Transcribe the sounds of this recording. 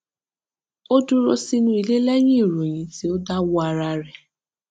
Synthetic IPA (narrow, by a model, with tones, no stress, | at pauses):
o˦du˦ɾo˧si˧nũ˧˦i˧le˦lɛ˦j̃ĩ˦i˦˨ɾo˨j̃ĩ˨˦ti˨˦o˦da˦wɔ˦a˧ɾa˧ɾɛ˨